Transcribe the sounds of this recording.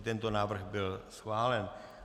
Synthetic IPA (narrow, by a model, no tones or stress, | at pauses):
t̪ɛnt̪o̞naːvr̩ɣbɪlsxvaːlɛn